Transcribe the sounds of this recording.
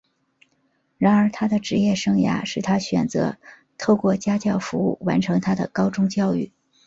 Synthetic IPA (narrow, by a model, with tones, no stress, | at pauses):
ɻa˧˥nə˞˧˥t̪ʰa˥d̪ə˨ʈ͡ʂɻ̩˧˥jɛ˥˩ʂɤ˥ŋja̰˥ʂɻ̩˥˩t̪ʰa˥ɕɥɛ̰˨˩nt͡sɤ̰˧˥ | t̪ʰo˥˧ʊkwɔ˥˩t͡ɕja˥t͡ɕjɑ˥˩ʊfu˧˥ṵ˥˩wa˧˥nʈ͡ʂʰɤ˧˥ŋt̪ʰa˥d̪ə̰˨kɑ˥ʊʈ͡ʂʊ˥ŋt͡ɕjɑ˥˧ʊy̰˥˩